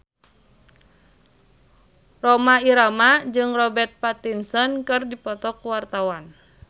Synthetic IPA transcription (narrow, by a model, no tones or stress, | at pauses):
rɔmaiɾamad͡ʒɨŋrɔbɛrt̪̚pat̪insɔnkɨrdipɔt̪ɔkuwart̪awan